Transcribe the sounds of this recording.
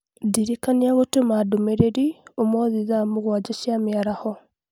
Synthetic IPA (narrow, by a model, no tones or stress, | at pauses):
diɾikaniaɣotemadomeɾeɾiomɔðizamuɣwad͡ʒaʃiamiaɾahɔ